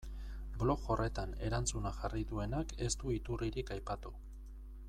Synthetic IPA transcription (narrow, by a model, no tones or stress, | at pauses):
blo̞xo̞re̞t̪ane̞ɾant͡sunaʝariðue̞nake̞st̪uit̪uriɾikajpat̪u